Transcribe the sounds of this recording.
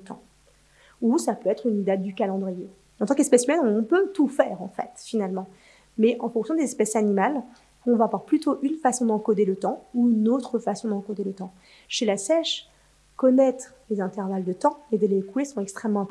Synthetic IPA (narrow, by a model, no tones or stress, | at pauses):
t̪ʰɑ̰̃ | usapøɛt̪χynd̪at̪̚d̪ykalɑ̃d̪ʁije | ɑ̃t̪ɑ̃kɛspɛsymɛnɔ̃pøt̪ufɛːʁɑ̰̃fɛ̰t̪finalmɑ̃ | mɛʔɑ̃fɔ̃ksjɔ̃d̪ezɛspɛsanimal | uɔ̃vavwaʁplyt̪oʔynfasɔ̃d̪ɑ̃kod̪elət̪ɑ̃uynot̪χəfasɔ̃d̪ɑ̃kod̪elət̪ɑ̃ | ʃelasɛʃ | kɔnɛt̪χlezɛ̃t̪ɛʁvald̪ət̪ɑ̃ed̪elekuesɔ̃tɛkst̪χɛmːɑ̃ɛ̃pɔ